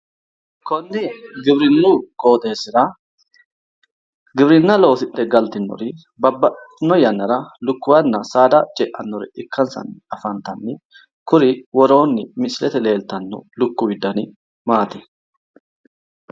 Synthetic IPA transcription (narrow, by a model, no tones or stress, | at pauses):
kɔnːɪɡɪbɾɪnːuːkʼo̞ːt̪ʼeːsɪɾɐ | ɡɪbɾɪnːɐlo̞ːsɪʔɛɡɐlt̪ɪnːɔ̰ɾɪ | bɐbːɐnːɔjɐnːɐɾɐlʊkːʊwɐnːɐsaːd̪ɐt͡ʃʼɛʔɐnːɔɾɪ̰ɪkːɐnsɐ̰nːɪɐfɐnt̪ɐnːɪ | kʊɾɪwɔɾo̞ːnːɪmɪsɪlɛt̪ɛle̞ːlt̪ɐnːɔ̰lʊkːʊwɪd̪ɐnɪ | maːt̪ɪ̥